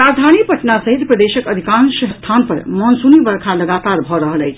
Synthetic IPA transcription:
ɾad͡ʒd̪ʱanipəʈnasəɦit̪pɾəd̪esəkəd̪ʱikãnsɦəst̪ʰanpəɾmɔnsunibəɾkʰaləɡat̪aɾbʱɔɾəɦələjt͡ʃʰ

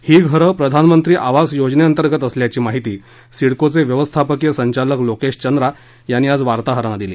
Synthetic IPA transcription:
hiːɡʱəɾəpɾəd̪ʱanmənt̪ɾiːʔaʋasjod͡ʑneənt̪əɾɡət̪əsljat͡ɕiːmaɦit̪iː | siɽkot͡seʋjəʋəst̪ʰapəkjəsəɲt͡ɕaləklokeɕt͡ɕənd̪ɾa | janːiːad͡zʋaɾt̪aɦəɾañad̪ilḭː

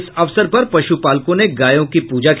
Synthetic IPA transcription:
sɐʋsəɾpɐɾpɐʃupaːlkõneɡaːjõkipuːd͡ʒak

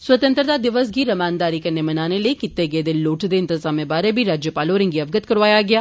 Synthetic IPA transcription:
swɐt̪ə̃nt̪ɾət̪ad̪ɪʋəsɡiːɾɐmaːnd̪aːɾikɐɾnemɐnaːneliekɪt̪ːeɡed̪ɪlloːʈʰd̪eɪnt̪ɪzaːmebaːɾebʱiɾaːd͡ʒjəpaːloːɾɪ̃ŋɡiɐʋɡət̪̚kɐɾʋaːjaɡɐjaː

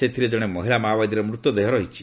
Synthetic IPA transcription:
set̪ʰiɾed͡ʒɔɽ̃emɔɦiɭamaːbad̪iɾemɾut̪ːɔd̪eɦɔɾɔɦit͡ʃʰi̥

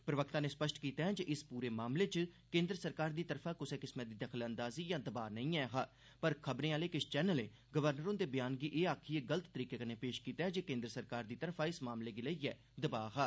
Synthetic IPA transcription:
pɾəʋəkt̪ãːneːspəʃʈkiːt̪aːɦɛ̃ːd͡ʒəʔɪspuːɾeːmaːmleːt͡ʃkẽːnd̪ɾəsəɾkaːɾd̪iːt̪əɾfʰaːkʊseːkɪsmɛ̃ːd̪iːd̪əkʰlə̃nd̪aːziːjãːd̪əbaːnəĩːɛːɦaː | pəɾkʰəbɾẽːaːleːkɪst͡ʃɛːnəleː | ɡəʋəɾnəɾõːd̪eːbɪjaːnɡiːʔeːaːkʰːiːeːɡələt̪t̪əɾiːkeːkaneːpeːʃkiːt̪aːɦɛd͡ʒeːkẽːnd̪ɾəsəɾkaːɾd̪iːt̪əɾpʰaːɪsmaːmleːɡiːləiːɛː | d̪əbaːɦaː

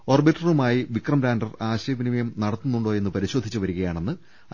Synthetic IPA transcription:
o̞ːrbiʈːrɐrumaːjiʋikrɐmɾaːndɐraːɕɐjɐbinimɐjɐmnɐɽɐt̪ːunːuɳɖo̞ːje̞nːɨpɐɾiɕo̞ːd̪ʱːit͡ɕːuʋɐɾuɣɐjaːɳe̞nːɨ

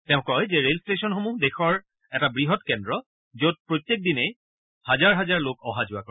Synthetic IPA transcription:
tɛ̃ʊ̃kɔjzɛɹelstesɔnxomudexɔɹ | ɛtabɹiɦɔtkɛndɹɔ | zot̚pɹotjek̚dinɛ | hazaɹɦazaɹlokɔɦazʊako

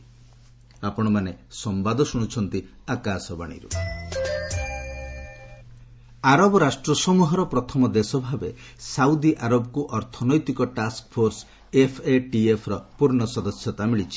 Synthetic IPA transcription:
apɔɽ̃ɔmanesɔmbad̪ɔsuɽ̃ut͡ʃʰɔnt̪iakasɔba̰ɽ̃ḭɾṵ | aɾɔbɔɾasʈɾɔsɔmuɦɔɾɔpɾɔt̪ʰɔmɔd̪esɔbʱabesaud̪iʔaɾɔbɔkuʔɔɾt̪ʰɔnɔjt̪ikɔʈaskpʰoɾs | epʰeʈiepʰɾɔpuɾɳɔsɔd̪ɔsjɔt̪amiɭit͡ʃʰi̥

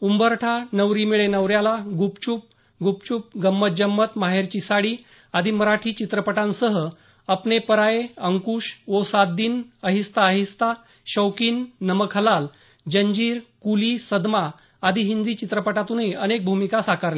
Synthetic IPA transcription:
umbəɾʈʰanəʋɾiːmiɭenəʋɾjalaɡupt͡ɕup̚ | ɡʱup̚t͡ɕup̚ɡəmːət̪̚d͡ʑəmːət̪maɦeɾt͡ɕisaɽiː | ad̪ʱiːməɾaʈʰiːt͡ɕit̪ɾəpəʈãnsəɦə | əpnepəɾaeəŋkuːʂʋosat̪̚d̪iːnəɦist̪aːɦist̪a | ɕəwkiːnːəməkʰəlal | d͡ʑəɲd͡ʑiːɾkuliːsəd̪maː | d̪ʱiɦind̪iːt͡ɕit̪ɾəpəʈat̪uneʔənek̚bʱumikasakaɾle

